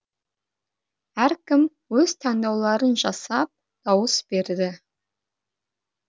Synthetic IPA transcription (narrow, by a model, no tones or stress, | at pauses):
æɾkʲɪm | wɵzt̪ʰænd̪ɑwlˠɑɾənʒɑsɑp̚ | d̪̥ɑwəsb̥e̞ɾd̪ɪ